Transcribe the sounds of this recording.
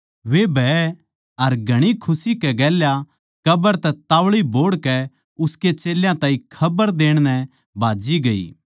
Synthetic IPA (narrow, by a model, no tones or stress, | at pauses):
ʋebʱɛː | ɐɾɡʱɐɽ̃ikʰʊsikɛɡɛːlja | kɐbəɾt̪ɛt̪aːʋɭiboːɽkɛ | ʊsket͡ʃeːljãt̪ãːĩkʰɐbəɾd̪eːɽ̃nɛ | bʱaːd͡ʒiɡɐḭː